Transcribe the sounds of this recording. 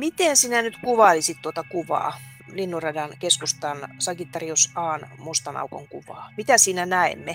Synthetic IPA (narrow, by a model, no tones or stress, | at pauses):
mit̪ensiːnænyt̪kuʋɑlisit̪t̪uot̪ɑkuʋɑ̰ː | linːurɑdɑnkeskust̪ɑnsɑkit̪ːɑriosɑːnmust̪ɑnɑ̰uko̰ŋkuʋɑ̰ːmit̪æsiːnænæḛmːe